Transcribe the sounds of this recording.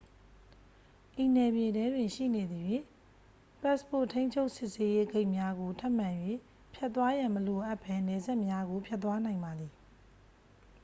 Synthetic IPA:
ʔi˨nɛ˨bje˨dɛ˦dwɪ̃˨nʃḭ˦˨ne˨d̪i˨je˦˨ | pɛ˦˨spo̰˦˨tʰẽ˦ɪ̃ɲt͡ɕʰo˦ʊʔsɪ˦ʔse˦je˦ɡe˦ɪʔmja˦ɡo˨tʰa˦ʔmã˨jwe˦˨ | pʰjɛ˦ʔt̪ːwa˦jã˨məlo˨ʔa˦˨pʰɛ˦nɛ˨za˦ʔmja˦ɡo˨pʰja˦t̪t̪ːwa˦nã˨ɪ̃mba˨d̪ði˨

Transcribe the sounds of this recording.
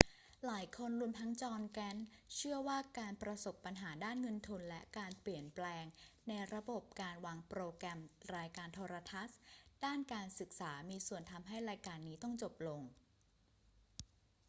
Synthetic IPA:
laː˩˦jkʰo˧nɾu˧əmt̪ʰa˦˥ŋt͡ɕɔː˧nkɛ˦˥nt͡ɕʰɯ˥˩əwaː˥˩kaː˧npɾa˧so˨˩pːa˧nɦaː˩˦daː˥˩nŋɤ˧nt̪ʰu˧nlɛ˦˥ʔkaː˧npli˨˩ənplɛː˧ŋna˧jɾa˧bo˨˩p̚kaː˧nwaː˧ŋpɾoː˧kɾɛ˧mɾaː˧jkaː˧nt̪ʰɔː˧ɾa˧t̪ʰa˦˥sd̥aː˥˩nkaː˧nsɯ˨˩k̚saː˩˦miː˧su˨˩ənt̪ʰa˧mɦa˥˩jɾaː˧jkaː˧nːiː˦˥t̪ɔ˥˩ŋt͡ɕo˨˩p̚lo˧ŋ

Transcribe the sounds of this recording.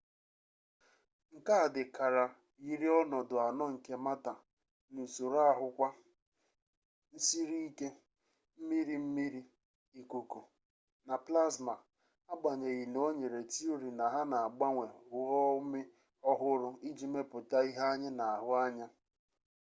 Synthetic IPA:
ŋ̩˨ka˦a˨dɪ˨ka˨ɾa˨ | ɣi˦ɾi˦ɔ˦nɔ˨dʊ˨a˨nɔ˦ŋ̩˨ke˨ma˦ta˨ | n̩˨so˨ɾa˦a˦˨ɦʊ˦kʷa˦ | n̩˦si˦ɾi˦i˦ke˦ | m̩˦mi˦ɾi˨m̩˦mi˦ɾi˦ | i˨ku˨ko˨ | na˨pla˦zma˨ | a˦ɡ͡ba˨ɲe˨ɣi˨no˦ɲe˨ɾe˨ti˦o˦ɾi˨na˨ɦa˦na˨a˨ɡ͡ba˦ŋʷe˨ʊ˨ɔ˦ʊ˦mɪ˦ | ɔ˦ɦʊ˦ɾʊ˦i˦d͡ʒi˦me˦pʊ˨ta˦i˦ɦa˦a˦ɲɪ˦na˨a˨ɦʊ˦a˦ɲa˦

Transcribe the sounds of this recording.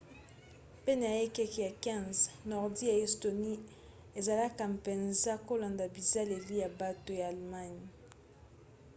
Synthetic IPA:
pɛ˦na˨a˨je˦kɛ˦ki˨ja˨kɛ̃˦˨nznɔ˨ʁdi˦a˨e˨sto˨ni˦ | e˨za˨la˦ka˨m˨pe˨nza˦ko˦la˨nda˨bi˨za˦le˨li˦ja˨ba˦to˨ja˨a˨lma˦ɲ˨

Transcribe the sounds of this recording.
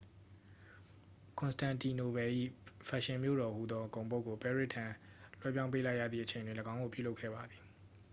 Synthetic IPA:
kʰʊ̃˨nstã˨nti˨no˨bɛ˨ʔḭ˦˨fʰa˨ʃɪ̃˨mjo̰˦˨ɾɔ˨hṵ˦˨d̪ɔ˦kõ˨ʊ̃bo˦ʔkːo˨pɛ˦˨ɹɪ˦ʔtʰã˨lwɛ̰˦p̬jã˦ʊ̃mpe˦la˦ɪʔja̰˦˨d̪ðḭ˦˨ʔə˨ẽ˨ɪ̃ndwɪ̃˨ləɡã˦ʊ̃ŋo˨pjṵ˦˨lo˦kʰːɛ̰˦˨ba˨d̪ði˨

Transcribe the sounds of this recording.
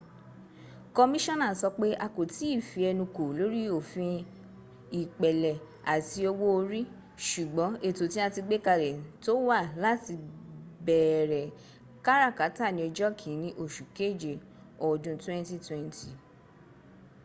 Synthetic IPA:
kɔ˧mĩ˦ʃɔ̃˦˨nã˨sɔ˧k͡pe˦ʔa˧ko˨ti˨˦i˦˨fi˧˦ɛ˧nũ˧ko˨lo˨˦ɾi˦o˨fĩ˧ | i˨k͡pɛ˨lɛ˨ | a˨ti˧o˧wo˦o˧ɾi˦ | ʃu˨ɡ͡bɔ̃˨˦e˦˨to˨tĩ˦a˧ti˧ɡ͡be˦ka˧ɾɛ˨to˦wa˦˨la˦ti˧bɛ˨ɾɛ˨ | ka˦ɾa˦˨ka˨˦ta˦˨nĩ˧o˧d͡ʒɔ˦kʰĩ˨˦nĩ˧ʔo˨ʃu˨ke˦˨d͡ʒe˨ | ɔ˨dũ˧twɛ̃˦n˦ti˦twɛ̃˦nti˨

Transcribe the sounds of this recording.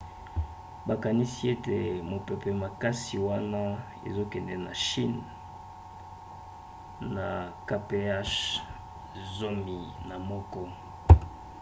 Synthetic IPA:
ba˨ka˨ni˦si˦e˦te˨mo˨pe˨pɛ˨ma˨ka˦si˨wa˦na˦ | ḛ˨zo˦kɛ˨nɛ˨na̰˨ʃi˦n | a˨ka˦pe˦a˦ʃ | zo˦mi˨na˨mɔ˦kɔ˦

